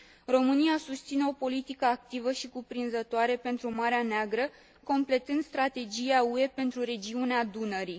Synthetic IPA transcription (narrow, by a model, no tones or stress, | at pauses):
ro̞mɨniasust̪sine̞o̞po̞lit̪ikəak̚t̪ivəʃikupɾinzət̪oaɾe̞pe̞nt̪ɾumaɾeaneaɡɾə | ko̞mple̞t̪ɨnd̪st̪ɾat̪e̞d͡ʒijaue̞pe̞nt̪ɾuɾe̞d͡ʒiunead̪unəɾi